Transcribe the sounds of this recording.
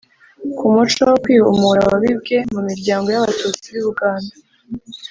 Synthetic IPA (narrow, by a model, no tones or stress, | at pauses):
kʰumut͡ʃowokwiːṵmuɾawaβibɡe̞mumiɾɟaːŋɡo̞jaβatuːt͡siβuβuɡaːnda